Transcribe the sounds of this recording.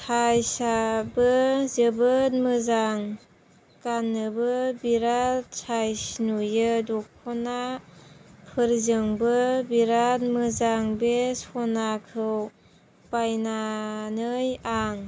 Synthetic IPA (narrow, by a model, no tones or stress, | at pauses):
tʰajsabɯzəbɯtmɯzaŋ | kanːɯbɯbiɾasajsnujɯdɔkʰɔna | pʰɯɾzɯŋbɯbiɾatmɯzaŋbesɔnakʰɯw | pajnanɯjaŋ